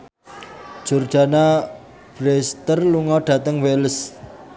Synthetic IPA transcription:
d͡ʒ̥o̤rd͡ʒ̥a̤na | b̥ɾest̪ərluŋɔɖ̥a̤t̪əŋwels

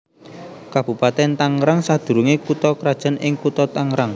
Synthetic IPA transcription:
kab̥ṳpat̪ɛnt̪aŋɾaŋsad̪̥ṳɾuŋekut̪ɔkɾad̥ʒ̥ə̤nɪŋkut̪ɔt̪aŋɾaŋ

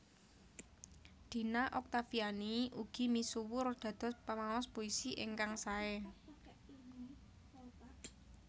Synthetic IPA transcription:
d̪̥i̤naʔɔk̚t̪afianiuɡ̥i̤misuwʊrd̪̥ä̤d̪̥ɔ̤spamaɔspoisiʔeŋkaŋsaɛ

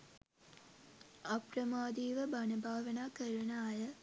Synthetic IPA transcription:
aprəmaːd̪iːʋəbanəbʱaːʋənaːkəɾunaːjə

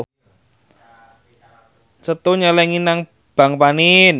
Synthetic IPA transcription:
t͡ʃət̪uɲəlɛŋinaŋ | b̥a̤ŋpanin

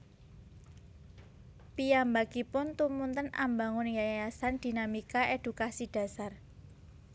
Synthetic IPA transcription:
pijambaɡipʊnt̪umunt̪əna̰mbaŋunjajjasand̪̥i̤namikaʔed̪̥ukasid̥a̤sar

